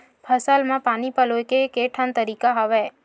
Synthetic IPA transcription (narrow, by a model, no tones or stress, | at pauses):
pʰəsalmãpanipəlojkekeʈʰənt̪əɾikaɦəʋe